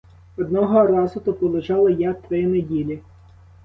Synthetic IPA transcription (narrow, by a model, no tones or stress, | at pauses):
ɔd̪̚nɔɦɔrɑzʊt̪ɔpɔlˠʊt͡ʃɑlˠɐjat̪ɾɪjɛnedʲilʲi